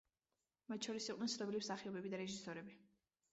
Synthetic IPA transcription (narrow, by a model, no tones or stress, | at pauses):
mat̪̚ʃʰɔɾisiqʼnɛnt̪sʰnɔbilimsaχiɔbɛbid̪aɾɛʒisɔɾɛbi